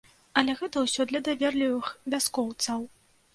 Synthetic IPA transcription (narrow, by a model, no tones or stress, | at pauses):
ɐlʲɛɣɛt̪ɐwsʲɔd̪lʲɐd̪avʲɛrlʲivɨxvʲaskɔwt̪sɐw